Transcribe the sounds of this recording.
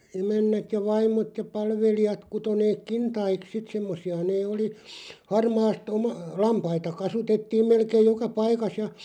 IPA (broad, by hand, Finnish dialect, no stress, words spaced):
emænːæt jɑ ʋɑimˑot jɑ pɑlʋelijɑt kuto neːk kintɑik sit semːosˑiɑ neː oli hɑrmɑːst omɑ lɑmpɑitɑ kɑsutetːiːm melkeːj jokɑ pɑikɑs jɑ